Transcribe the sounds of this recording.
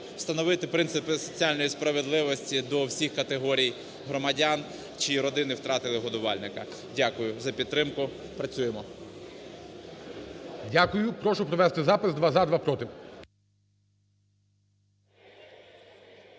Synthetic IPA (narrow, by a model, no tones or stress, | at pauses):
w̥st̪ɐnɔʋɪt̪ɪpɾɪnt̪sɪpɪsɔt͡sʲialʲnɔjispɾɐʋed̪lˠɪʋɔsʲtʲid̪ɔwsʲixkɐt̪eɦɔɾʲij | ɦɾɔmɐdʲan | t͡ʃiɾɔd̪ɪnɪwt̪ɾɑt̪ɪlˠɪɦɔd̪ʊʋɑlʲnɪkɐ | dʲakʊjʊzɐpʲid̪t̪ːɾɪmkʊ | pɾɐt͡sʲujemɔ | dʲakʊjʊpɾɔʃʊpɾɔʋɛst̪ɪzɑpɪsd̪ʋɑzɑd̪ʋɑpɾɔt̪ɪ